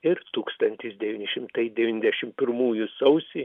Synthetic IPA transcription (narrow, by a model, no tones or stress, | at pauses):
ɪɾt̪uːkst̪ɐnʲt̪ʲɪsd̪ʲɛʋʲiːnʲɪʃʲɪmt̪ɐɪd̪ʲɛʋʲiːnʲzʲdʲɛʃʲɪmpʲɪɾmuːjʊsɐʊsʲi